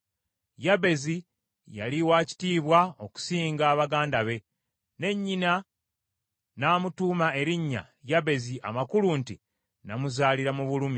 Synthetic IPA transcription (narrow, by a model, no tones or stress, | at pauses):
jaβe̞zi | ja̰liwaːci̥tiːβwao̞ku̥siːŋɡaːβaɡaːndaβe̞ | ne̞ɲːina | naːmutuːmae̞ɾiɲːa̰ | jaβe̞ziʔa̰makulunti | namuzaːliɾamuβulumi